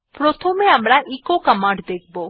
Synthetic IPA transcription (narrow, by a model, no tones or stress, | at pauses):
pɾot̪ʰomeamɾaʔikokəmaɳɖd̪ek̚ʰbo